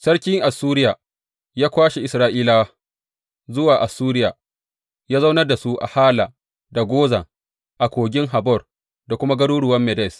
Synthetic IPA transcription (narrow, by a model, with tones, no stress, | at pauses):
sɐ˦ɽkʲɪ˦ŋʔa˨suː˦ɾɪ˦jaː˨ | jaː˦kʷaː˦ʃe˨ʔɪ˨sɾaː˦ʔiː˦la˦wa˦ | zʊ˦waː˨ʔa˨suː˦ɾɪ˦jaː˨ | jaː˦za˦wnɐ˦rda˨su˦ʔa̰˨haː˦la˨ | da˨ɡʷoː˦za̰˨ | ʔa˨kʷoː˨ɡʲɪ˦ŋɦa˨bɔ˦˨r | da˨kʷʊ˦ma˦ɡɐ˦ɽuː˦ɽʊ˨wɐ˦mːɛ˨dɛ˦˨s